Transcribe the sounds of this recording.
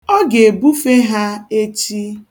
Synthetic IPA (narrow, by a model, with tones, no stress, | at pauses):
ɔ˦ɡe˨bu˦fe˦ɦa˦e˦t͡ʃi˦